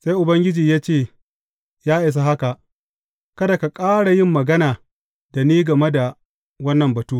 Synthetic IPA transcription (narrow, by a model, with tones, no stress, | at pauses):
sa˦jʔʊ˨bɐ˦ŋɡʲɪ˦d͡ʒiː˨jaː˦t͡ʃeː˦˨ | jaː˦ʔɪ˨s̬a˦ɦa˦ka˨ʔ | kɐ˦da˨ka˨kʼaː˦ɽa˨jɪ˦mːɐ˨ɡɐ˦naː˨ | da˨niː˦ɡɐ˨me˦da˨ | wɐ˦nːɐ˨mbɐ˨tuː˦